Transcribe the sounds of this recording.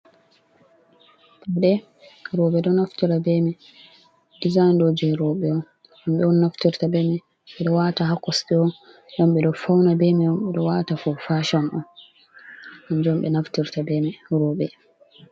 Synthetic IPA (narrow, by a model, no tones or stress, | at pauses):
taɗɛ | ɾɔɓɛɗɔnaftiɾabɛmɛ | dizandɔd͡ʒɛɾɔɓɛɔn | amɓɛɔnːaftiɾtabɛmɛ | ɓɛɗɔwataɦakːɔsɗɛɔn | jɔmɓɛɗɔfawnabɛmɛjɔmɓɛɗɔwaːtafɔfaʃɔnʔɔ̰n | and͡ʒɔmɓɛnaftiɾtabɛmɛɾɔːɓɛ